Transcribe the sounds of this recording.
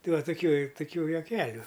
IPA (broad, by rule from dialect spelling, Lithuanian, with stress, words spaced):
ˈtɐɪ ˈʋɐ tʊˈkʲuː tʊˈkʲuː juɔˈkʲæːlʲʊ